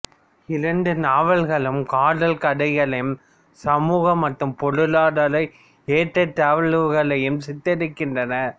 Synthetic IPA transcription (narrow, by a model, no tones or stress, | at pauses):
ɪɾɐɳɖɯnaːʋɐɭɣɐɭɯmkaːɽɐlkɐɽɐɪjɐɭɐjm | sɐmuːɣɐmːɐʈːɯmpɔɽɯlaːɽɐlɐɪ | eːʈːɐt̪ːaːʋɐɭɯʋɣɐɭɐjɯmsɪt̪ːɛɽɯkːɪndrɐnɐ